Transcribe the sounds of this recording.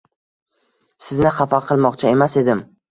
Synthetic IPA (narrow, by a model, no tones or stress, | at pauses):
sɪznɪχɑfɑqʰɨlˠmɒqt͡ʃʰae̞mase̞d̪ɪm